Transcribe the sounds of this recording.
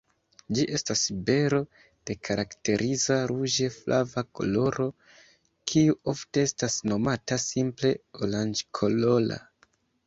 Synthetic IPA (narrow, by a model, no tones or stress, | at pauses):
d͡ʒiʔe̞stasibe̞ɾo̞ | d̥e̞kʰaɾakte̞ɾʔizaɾuʒe̞flʔavako̞̰lo̞ɾʔo̞ | kʰiuo̞fte̞estasno̞matasimple̞oland͡ʒkʰo̞lo̞la̰